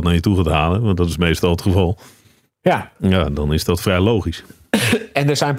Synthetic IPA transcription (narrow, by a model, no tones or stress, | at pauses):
tnaɹjətuχatɦaːləʋɑ̃ntdɔtɪsmejstɔlˠətχəvɑlˠ | jajaːdɔnɪsdɔtfrɛjlowχis | ɛndəzɛjn